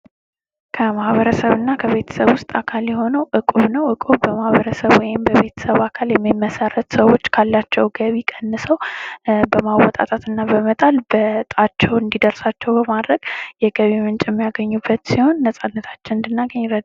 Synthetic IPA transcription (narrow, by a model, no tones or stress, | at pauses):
kʰəmahβəɾəsəβɨnːakʰəβe̞t̪ʰə̥səβwʊst̪ʼakʰaljɛho̞nəwʔɨkʼuβnəwʔɨkʼubəmahβəɾəsəβwɔjɪmbəβe̞t̪ʰə̥səβakʰaljɛmːimːəsəɾət̪səwo̞t͡ʃːkʰalːat͡ʃːɛwɡəβikʼənːɨsəwbəmawɔt̪ʼa̰t̪ʼat̪ɨnːabəmət̪ʼalbət̪ʼat͡ʃːɛwɨnd̪id̪əɾsat͡ʃːɛwbəmad̪ɾəɡ̥jɛɡəβimɨnt͡ʃʼjɛmːijaɡəɲːubːət̪siho̞nːəsʼanːət̪ʰḁt͡ʃːɪnɨnd̪ɨnːaɡəɲːɾəd̪